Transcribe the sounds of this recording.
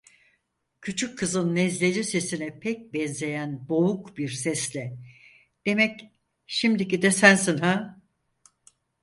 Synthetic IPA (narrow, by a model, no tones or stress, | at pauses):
cʰyt͡ʃʰykʰːɯzɯnːɛzlʲed͡ʒise̞sinɛpʰɛc̚bɛnze̞jænboukbiɾsɛslʲɛ | d̪̥e̞mɛc | ʃimd̪icid̪ɛsænsinɦa